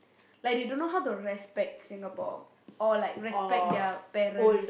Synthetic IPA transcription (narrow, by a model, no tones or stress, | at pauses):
lajkjudõnːoɦawtuɹɛspɛk̚tsĩŋapɔ̰ | ʔɔlaɪkɹɛspɛk̚dɛpɛɾə̃ns